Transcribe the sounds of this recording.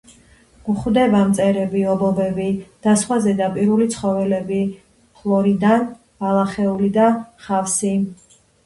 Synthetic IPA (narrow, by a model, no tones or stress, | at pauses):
ɡ̥uχwd̪ɛbamt̪sʼɛɾɛbiɔbɔbɛbid̪̥asχwazɛd̪apʼiɾulit̪sʰχɔvɛlɛbi | pʰlˠɔɾid̪an | b̥alˠaχɛulid̪aχafsi